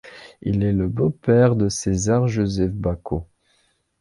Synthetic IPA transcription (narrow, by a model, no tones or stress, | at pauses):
ḭlɛləbopɛʁd̪əsezaʁʒozɛfbako